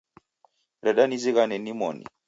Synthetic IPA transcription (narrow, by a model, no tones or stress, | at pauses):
ɾɛɗaniziɣanɛnimɔ̰nḭ